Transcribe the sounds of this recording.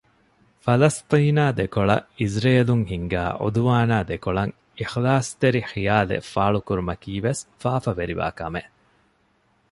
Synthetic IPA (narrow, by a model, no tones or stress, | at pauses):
fɐlɐst̪iːnaːd̪ekoɭɐ̰ʔizɾeːluŋɦiŋɡæːʔo̰d̪uʋaːnaːd̪ekoɭɐŋ | ixlaːst̪eɾixijaːlḛfaːɭukuɾumɐkiːʋesfaːfɐʋeɾiʋa̰ːkɐme